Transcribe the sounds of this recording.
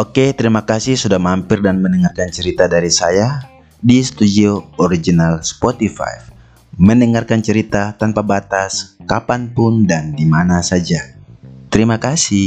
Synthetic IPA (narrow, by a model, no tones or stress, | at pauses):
ʔoket̪əɾimakasihsudahmampɪrdanmənəŋarkant͡ʃəɾit̪adaɾisaja | disə̥t̪udioɔɾid͡ʒinalspot̪ifa̰j | məndəŋarkant͡ʃəɾit̪at̪anpabat̪askapanpʊndandimanasad͡ʒat̪əɾimakasi